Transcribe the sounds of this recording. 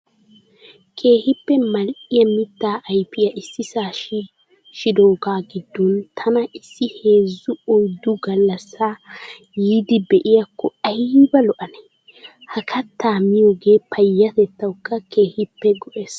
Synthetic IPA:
kʰe̞ːhɪpːɛmɐlʔɪjɐmɪt̪ːaːʔɐjpɪjɐʔɪsːɪsaːʃɪ | ʃɪd̪oːɡaːɡɪd̪ːɔnt̪ʰɐnɐɪsːɪhe̞ːzːʊɔjd̪ʊɡɐlːɐsːaː | jiːd̪ɪbɛʔɪjɐkːɔɐjbɐlɔʔɐnɛ | hɐkʰɐt̪ːaːmɪjoːɡe̞ːpʰɐjːɐt̪ɛt̪ːɐwkːɐke̞ːhɪpːɛɡɔʔe̞ːs

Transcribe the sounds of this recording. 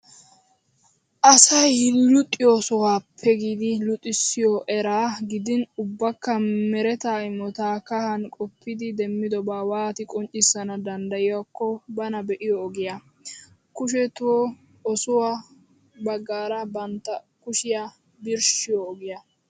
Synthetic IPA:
ʔɐsɐjhɪlːʊt̪ʼːɪjoːsɔwaːpʰːɛɡiːd̪ɪlʊt̪ʼːɪsːɪjɔʔɛɾaːɡɪd̪ɪnʊbːɐkːɐmɛɾɛt̪aːɪmɔt̪aːkɐhɐnkʼɔpːɪd̪ɪd̪ɛmːɪd̪ɔbaːwaːt̪ɪkʼɔnt͡ʃʼːɪsːɐnɐd̪ɐnd̪ɐjɪwakːɔbɐnɐbɛʔɪjɔːɡɪja | kʊʃɛt̪ʊwɔ | ɔsʊwa | bɐɡːaːɾɐbɐnt̪ːɐ | kʊʃɪja | bɪɾʃɪjɔːɡɪjɐ

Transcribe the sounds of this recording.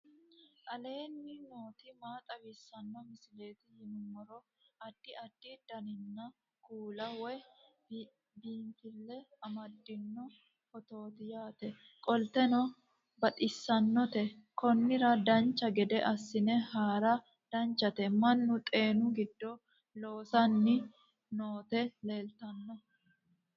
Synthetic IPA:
ʔɐle̞ːnːɪno̞ːt̪ɪmaːt̪ʼɐbɪsːɐnːɔmɪsɪleːt̪ɪjɪnʊmɔɾɔ | ɐd̪̥ːɪɐd̪̥ːɪd̪̥ɐnɪnːɐ | kuːlɐwɔj | biːnt̪ɪlːɛɐmɐd̪ːɪnːɔ | hɔt̪o̞ːt̪ɪjaːt̪ɛ | kʼɔlt̪ɛnɔ | bɐt̪ʼɪsːɐnːɔt̪ɛkɔnːɪɾɐd̪ɐnt͡ʃːɐɡɛd̪ɛʔɐsːɪnɛhaːɾɐ | d̪̥ɐnt͡ʃːɐt̪ɛmɐnːʊt̪ʼe̞ːnʊɡɪd̪ːɔ | lo̞ːsɐnːɪ | noːt̪ɛle̞ːlt̪ɐnːɔ

